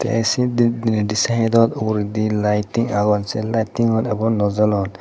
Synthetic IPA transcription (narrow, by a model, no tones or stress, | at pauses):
t̪ɛ̰ʔɛsid̪id̪indisaɦɛd̪ɔt̪ɔɾid̪ilajtiŋaɡɔnsɛlajtiŋhɔnɛbɔŋnɔzɔlɔn